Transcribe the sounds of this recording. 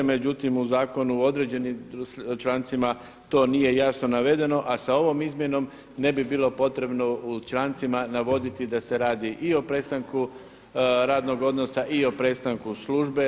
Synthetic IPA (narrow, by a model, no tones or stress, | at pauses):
me̞d͡ʑut̪imuzaːko̞nuo̞d̪ɾe̞d͡ʑe̞nit͡ʃlˠant̪sima | t̪o̞ːnije̞jasno̞naʋe̞d̪e̞no̞ʔasao̞ʋo̞mizmje̞no̞m | ne̞bibiːlˠo̞po̞t̪ɾe̞bno̞ut͡ʃlˠant̪simanaʋo̞d̪it̪id̪ase̞ɾaːd̪iʔio̞pɾe̞st̪aŋku | ɾaːd̪no̞ɡo̞d̪no̞saʔio̞pɾe̞st̪aŋkusluʒbe